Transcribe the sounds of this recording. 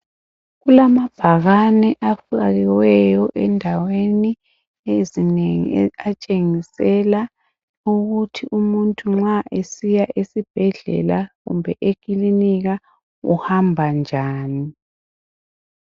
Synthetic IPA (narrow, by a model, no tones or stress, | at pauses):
ɣulamab̥ʱaɣanɛʔafaɣiwɛjɔʔɛndʱaweni | ezineŋiat͡ʃʼeŋisɛla | uɣutʰiʔumuntʼuŋ͡ǁaʔesijaʔesib̥ʱɛɮɛ̰laɣṵmbʱɛʔekʼiliniɣa | ṵhambʱand͡ʒʱaːni